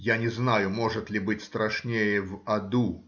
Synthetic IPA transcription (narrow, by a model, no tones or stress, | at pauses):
janʲɛznajʊmɔʐɨt̪lʲibɨt͡sʲst̪ɾaʂnʲejɛvad̪u